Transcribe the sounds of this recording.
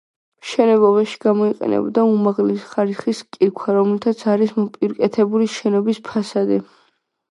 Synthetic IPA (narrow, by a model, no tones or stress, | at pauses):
mʃɛnɛbɔbaʃi̥ɡamɔiqʼɛ̰nɛ̰bd̪aumaʁlɛsχaɾiχiskʼikʰaɾɔmlit̪ʰat̪sʰaɾismɔpʼiɾkʼɛt̪ʰɛbuliʃɛnɔbispʰasad̪ɛ